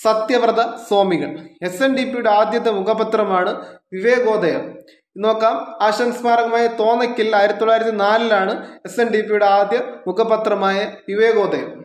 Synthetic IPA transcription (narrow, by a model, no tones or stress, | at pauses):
sɐt̪jɐʋrɐd̪ɐso̞ːmiɣɐ̰ɭe̞senɖipːijuɽe̞aːd̪jɐt̪ːemukʰɐbɐt̪rɐmaːɳɨʋiʋe̞ːɣo̞ːd̪ɐjɐ̰m | no̞ːkːaːmaːɕɐnsmaːɾɐɣɐmaːjɐt̪o̞ːnɐkʲːilaːjiɾɐt̪it̪ːoɭːaːjiɾɐt̪ːinaːlilaːɳɨesenɖipːijuɽe̞aːd̪jɐmukʰɐbɐt̪rɐmaːjɐʋiʋe̞ːɣo̞ːd̪ʱɐjɐ̰m